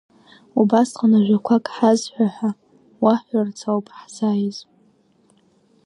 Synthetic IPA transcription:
ubasqanaʒᶣʷakʷʰakʼħazħʷaħʷa | waħʷart͡sʰawpʼħzajz

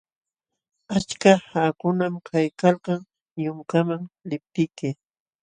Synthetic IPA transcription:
at͡ʃkahakʊnamkʰajkalqɑŋ | jʊŋkamaŋlɪp̚t̪ɪjkɪ

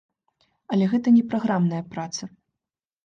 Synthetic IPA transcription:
ɐlʲɛɣɛt̪ɐnʲɛpɾaɣɾamnɐjɐpɾat̪sɐ

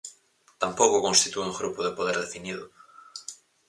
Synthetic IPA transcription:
t̪ampokokonst̪it̪ueuŋɡɾupoðepoðeɾðefiniðʊ

